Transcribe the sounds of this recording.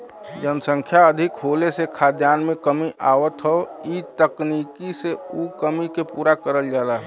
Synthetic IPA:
d͡ʒənəsə̃ŋkʰjaəd̪ʱɪkɦolesekʰad̪janmẽkəmiʔaʋət̪ɦɔit̪əknikiseukəmikepuːɾakəɾəld͡ʒalaɦ

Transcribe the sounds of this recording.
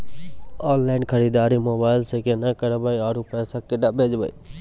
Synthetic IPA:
ɔːnlaːɪnkʰəɾiːd̪aːɾiːmoːbaːɪlsekenakəɾbajaːɾuːpɛːsaːkɪɖabʱeːd͡ʒbə̰ḭ

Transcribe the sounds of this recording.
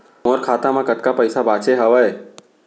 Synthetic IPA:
moːɾkʰaːt̪ãmãkəʈkapəɪsabaːt͡ʃeɦɐʋəe

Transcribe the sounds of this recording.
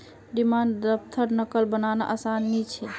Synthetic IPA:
ɖimand̪əp̚t̪ʰəɾnəkəlbənana̰ʔəsanːit͡ʃʰɛ

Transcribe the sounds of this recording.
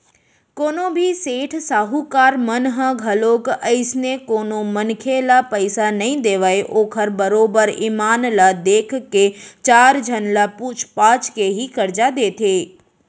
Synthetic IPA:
koːnõbʱiseːʈʰsaːɦukaːɾmənɦə̃ɡʱəloːkəɪsnekoːnomənkʰelapəɪsanəɦĩd̪eːʋəeʔoːkʰəɾbəɾoːbəɾiːmaːnlad̪eːkʰkːet͡ʃaːɾd͡ʒʱənlaput͡ʃʰpaːt͡ʃkeɦikəɾd͡ʒad̪eːt̪ʰeː

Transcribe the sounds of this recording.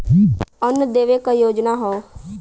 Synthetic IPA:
ənəd̪eːʋekajoːd͡ʒnaɦo

